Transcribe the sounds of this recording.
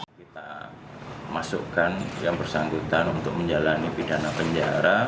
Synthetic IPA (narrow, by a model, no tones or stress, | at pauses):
kit̪a | masṵkanjaŋbərsaŋɡut̪anunt̪ʊk̚məɲd͡ʒalanipidanapəɲd͡ʒaɾa